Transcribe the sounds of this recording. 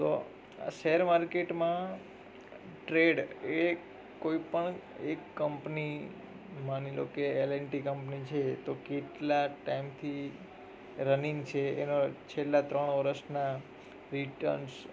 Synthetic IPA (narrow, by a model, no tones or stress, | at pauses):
t̪o̰ | a̰ʃeɦəɾmaɾkeʈmã | ʈɾeɖe | koipəɳ | ekːəmpni | manilo̰keeleɳʈikəmpnit͡ʃʰet̪okeʈlaʈaimt̪ʰi | ɾəniŋt͡ʃʰeenot͡ʃʰelːat̪ɾəɳ̃ʋəɾəsna | ɾiʈə̰ɾns